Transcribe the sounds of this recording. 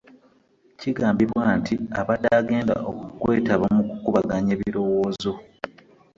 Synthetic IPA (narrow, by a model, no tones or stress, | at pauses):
ciɡaːmbiβwaːntiaβad̪aːɡe̞ːnda̰ʔokukwe̞ːtaβamukukuβaɡaɲe̞ːβiiɾo̞wo̞ːzo